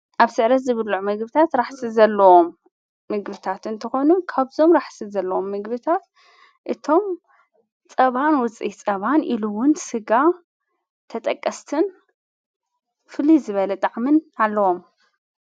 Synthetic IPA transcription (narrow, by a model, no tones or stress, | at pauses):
ʔaβsɨʕɾɐt̪zɨβɨlːuʕmɐɡbɨt̪ʰat̪ɾaħsizɐlːɐwo̞mː | ɨɡbɨt̪ʰat̪ɨnt̪ʰɐxo̞nukʰaβzo̞mɾaħsizɐlːɐwo̞mːɨɡbɨt̪ʰat̪ | ʔɨt̪ʰo̞m | t͡sʼɐβanwʊt͡sʼḭt͡sʼɐβanʔiluwʊnsɨɡa | t̪ʰɐt̪ʼɐkʼːɐst̪ʰɨn | fɨlizɨβɐlɐt̪ʼaʕmɨnalːɐwo̞m